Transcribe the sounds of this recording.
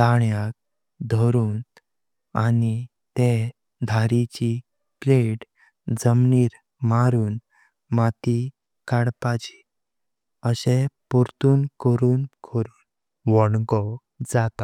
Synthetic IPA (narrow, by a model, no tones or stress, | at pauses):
t̪aɳjak̚ | d̪ʱɔɾuːn | a̰ni | t̪e | d̪ʱaɾit͡ɕi | pleʈ | d͡zəmniːɾ | maɾuːn | mat̪i | kaɽpat͡ɕi̥ | əɕepuɾt̪uːnkəɾuːnkʰəɾuːn | ʋɔɳɡɔ | d͡zat̪a